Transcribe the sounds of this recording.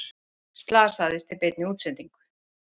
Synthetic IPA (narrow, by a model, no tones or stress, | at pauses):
st̪laːsaðɪst̪ɪpejt̪nɪuːt̪sɛnt̪iŋkʏ̥